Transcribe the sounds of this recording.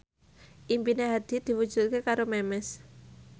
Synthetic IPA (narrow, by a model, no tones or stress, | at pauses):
ʔimpineɦad̪̥i̤d̪̥i̤wud̥d͡ʒ̥ut̪̚kekaɾomɛmɛs